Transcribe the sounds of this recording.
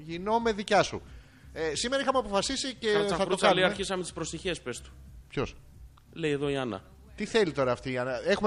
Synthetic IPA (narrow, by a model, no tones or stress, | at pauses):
ʝino̞me̞ðicɐsṵ | esime̞ɾɐixɐmeɐpo̞fɐsisice̞ɐθɐtɾosɐliɐɾçisɐmet̪i̥spɾost̪içespest̪u̥pço̞s | le̞jeðo̞iɐnɐ̰ | t̪iθe̞lit̪o̞ɾɐːft̪iːɐnɐe̞xum